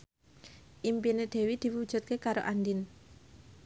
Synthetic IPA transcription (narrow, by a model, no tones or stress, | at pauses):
ʔimpined̪̥e̤wid̪̥i̤wud̥ʒ̥ṳt̪̚kekaɾo̰ʔandɪn